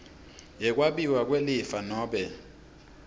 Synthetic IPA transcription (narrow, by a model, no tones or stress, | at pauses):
jɛk̬ʼwaɓiwak̬ʼwelifanɔːɓɛ